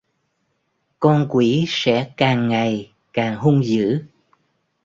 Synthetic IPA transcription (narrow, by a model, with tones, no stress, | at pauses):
kɔ˧nkwi˧˩˦sɛ̰˧˥kaː˨˩ŋːa˨˩j | kaː˨˩ŋɦu˧ŋ͡mzɨ̰˧˥